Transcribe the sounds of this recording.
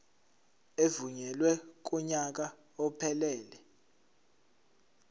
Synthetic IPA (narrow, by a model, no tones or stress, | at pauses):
evuɲɛlwɛk̬ɔɲak̬a | ɔpʰɛlɛːlɛ